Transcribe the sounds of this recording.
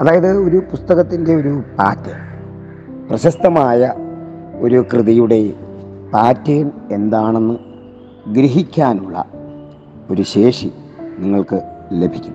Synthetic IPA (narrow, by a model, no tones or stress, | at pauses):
ɐðaːjɐðɨo̞ɾupust̪ɐɣɐt̪ːinde̞o̞ɾupaːtːɐm | prɐɕɐst̪ɐmaːjɐ | o̞ɾukrɨðijuɽe̞paːtːejɐne̞nd̪aːɳe̞nːɨ | ɡɾiɦikʲːaːnuɭːɐ̰ | o̞ɾuɕe̞ːʂi | niŋːɐɭkɨle̞bʱikʲːunː